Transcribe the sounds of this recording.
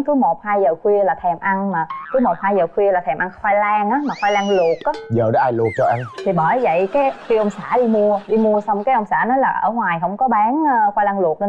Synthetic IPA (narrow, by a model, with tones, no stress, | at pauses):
kɨ˨˦mo˨˩t̚haː˧jzəː˨˩xwi˧əlaː˨˩t̪ʰɛ˨˩mʔa˧nmaː˨˩kɨ˨˦mo˨˩t̚haː˧jzəː˨˩xwi˧əlaː˨˩t̪ʰɛ˨˩mʔa˧nxwaː˧jlaː˧ŋʔaː˨˦maː˨˩xwaː˧jlaː˧ŋlu˨˩ək̚ʔaː˨˦zəː˨˩ɗɔ˨˦ʔaː˧jlu˨˩ək̚t͡ɕɔ˧ʔa˧nt̪ʰi˨˩ɓəː˧˩˨və̰˧˨jkaː˨˦jxi˧ʔə˧wŋ͡msaː˧˩ɗi˧mu˧əɗi˧mu˧əsa˧wŋ͡mkaː˨˦jʔə˧wŋ͡msaː˧˩nɔ˨˦jlaː˨˩ʔə̰ː˧˩ŋwaː˨˩jɦə˧˥wŋ͡mkɔ˨˦ɓaː˨˦ŋː˧xwaː˧jlaː˧ŋlu˨˩ək̚nə˧